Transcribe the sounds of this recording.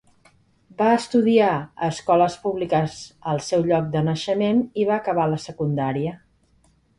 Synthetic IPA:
baəst̪uðiaəskɔləspuβlikəzəlˠsɛwʎɔk̚d̪ənəʃəmeniβaːkəβ̞aləsəkund̪aɾiə

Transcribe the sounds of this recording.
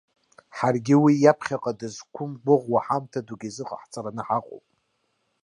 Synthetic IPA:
ħarɡʲɪwijapʰχʲaqʼadɨzkʷʰʊmbʊʁwaħamtʰaduɡʲizɨqʼəħt͡sʰʼaɾanɨħaqʼo̰wpʼ

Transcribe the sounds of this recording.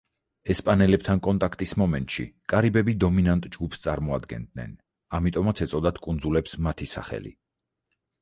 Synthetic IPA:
ɛspʼanɛlɛp̚t̪ʰankʼɔnt̪ʼakʰt̪ʼismɔmɛnt̪ʼʃḭkʼaɾibɛbid̪ɔminant̪ʼd͡ʒɡupst̪sʼaɾmɔa̰d̪ɡɛ̰nd̪nɛ̰n | amit̪ʼɔmat̪sʰɛt̪sʼɔd̪ad̪kʼund̪zulɛpsmat̪ʰisa̰χɛ̰lḭ

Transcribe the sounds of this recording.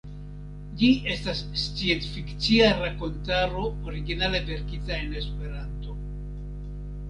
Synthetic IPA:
d͡ʒie̞stasːt͡sient͡sfikt͡siaɾako̞ntaɾo̞oɾiɡinale̞ve̞ɾkitae̞ne̞spe̞ɾanto̞

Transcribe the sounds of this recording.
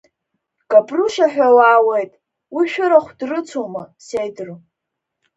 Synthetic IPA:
kʼapʼruʃaħᶣawaːwejtʼ | wiʃᶣʊɾaχʷdrɨt͡sʰumasejdr

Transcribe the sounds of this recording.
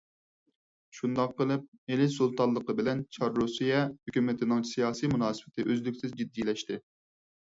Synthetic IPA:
ʃund̪ɑqːəlˠɨp̚melɪsulˠt̪ɑnlˠəqəbɪlɛnt͡ʃʰɑɾːusijɛhøkʲymɪt̪ʰɪnɪŋsijɑːsijmunɑːsɨbɪt̪ɪʔøzlɪkʲsɪzd͡ʒid̪ːijlɛʃt̪ɪ

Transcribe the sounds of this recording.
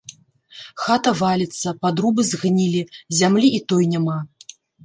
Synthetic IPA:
xat̪ɐvalʲit̪sːɐpad̪ɾubɨzɣnʲilʲizʲamlʲiit̪ɔjnʲama

